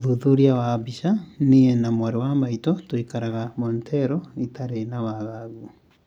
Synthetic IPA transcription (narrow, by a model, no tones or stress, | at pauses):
ðuðuɾiawabiʃaniɛnamwaɾewamaitɔtoikaɾaɣamɔntɛɾɔitaɾenawaɣaɣu